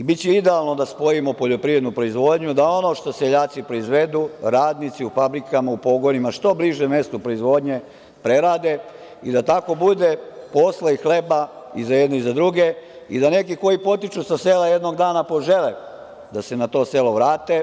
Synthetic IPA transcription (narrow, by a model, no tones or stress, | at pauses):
ibitt͡ɕɛid̪ealˠno̞d̪aspo̞imo̞poʎo̞pɾiːe̞d̪nupɾo̞izʋo̞d̪ɲud̪ao̞no̞ʃt̪o̞seʎaːt̪sipɾo̞izʋe̞d̪uɾaːd̪nit̪siufabɾikamaupo̞ɡo̞nimaʃt̪o̞bliʒeme̞st̪opɾoizʋo̞d̪ɲe̞ | pɾe̞ɾaːd̪e | id̪at̪ako̞bud̪epo̞slaixle̞baizajed̪noizad̪ɾuɡeid̪ane̞kiko̞jipo̞t̪it͡ʃusaseːlajed̪no̞ɡd̪aːnapo̞ʒe̞le | d̪ase̞nat̪o̞ːse̞loʋɾaːt̪e